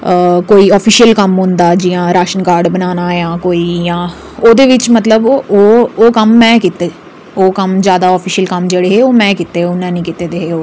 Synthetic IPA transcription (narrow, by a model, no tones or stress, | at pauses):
əkoːiːɔːpʰiːʃijəlkəmɦʊ̃nd̪aːd͡ʒiːãːɾaːʃənkaːɾɖbənaːnaːjãːkoːiːjãː | oːd̪eːʋɪt͡ʃmət̪ləboːoːkəmːɛ̃ːkit̪eː | oːkəmzjaːd̪aːɔːpʰiːʃəlkəmd͡ʒeːɽeːɦeːoːmɛ̃ːkit̪eːʊnːãːnĩːkɪt̪eːd̪eːɦeːoː